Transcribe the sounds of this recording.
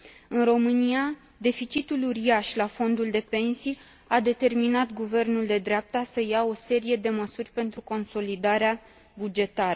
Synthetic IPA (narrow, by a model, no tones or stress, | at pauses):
ɨnro̞mɨnia | d̪e̞fit͡ʃit̪uluɾiaʃlafo̞nd̪uld̪e̞pe̞nsij | ad̪e̞t̪e̞rminat̪ɡuve̞rnuld̪e̞d̪ɾeap̚t̪asəjao̞se̞ɾije̞d̪e̞məsurʲpe̞nt̪ɾuko̞nso̞lid̪aɾea | bud͡ʒe̞t̪aɾə